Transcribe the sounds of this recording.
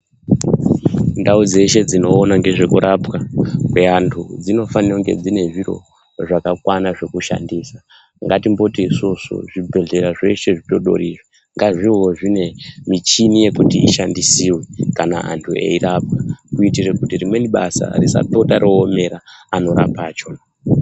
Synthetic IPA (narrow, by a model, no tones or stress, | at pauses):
ndaud͡ze̞ʃe̞d͡zino̞ːnaŋɡe̞ʐe̞kuɾapkakweantʰud͡zino̞fanoŋɡe̞̰d͡zine̞ʐiro̞̰ | ʐakakwanaʐe̞kuʃa̰ndiːsa | ŋɡatimbo̞tisoso̰ʐibʱe̞ɮe̞ɾaʐe̞ʃe̞ʐito̞ɗo̞̰rire | ŋɡaʐiɦo̞ʐine̞mit͡ʃinije̞kutiiʃandisiwekana̰ʔa̰ntʰuḛirap̚kakuitirekutirimwe̞niɓa̰sa̰risa̰to̞taɾʔo̞ːme̞ɾaano̞ɾa̰paːt͡ʃo